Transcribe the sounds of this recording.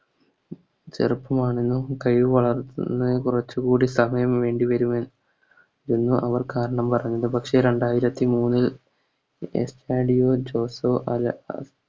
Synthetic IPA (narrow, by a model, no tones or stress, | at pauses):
t͡ɕḛrɨpːɐmaːɳenːukɐjʋʋɐɭɐrt̪ːunːɨkurɐt͡ɕːukuːɽisɐmɐjɐmʋe̞ːɳɖiʋɐɾumen | enːuʔɐʋɐrkaːɾɐɳɐmpɐrɐɲːɐðɨpɐkʂe̞ɾe̞ɳɖaːjiɾɐt̪ːimuːnːil | ḛsʈaːɖijoːd͡ʑo̞ːsoːʔɐl